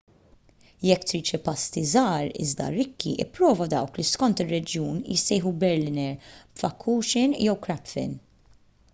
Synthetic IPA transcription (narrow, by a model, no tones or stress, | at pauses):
jɛkːt̪ɾiːt͡ʃɪpɐst̪izɐːɾɪ̰zd̪ɐ̰ɾɪkːḭʔɪ̰pːɾɔːvɐd̪ɐwkliskɔnt̪ɪrːɛd͡ʒjuːnjɪ̰sːɛjħubɛɾlɪnɛɾpfɐkʰːuːʃɪnjɛwkɾɛpfɪ̰n